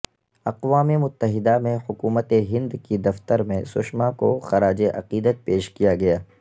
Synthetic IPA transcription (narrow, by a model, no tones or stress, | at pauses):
ɐqʋaːmemʊt̪ːəɦɪd̪amẽhʊkuːmət̪eɦɪ̃nd̪kid̪ɐft̪əɾmẽsʊʃmãkoxɐɾaːd͡ʒeʔɐ̰qiːd̪ət̪̚peːʃkijaɡɐjaː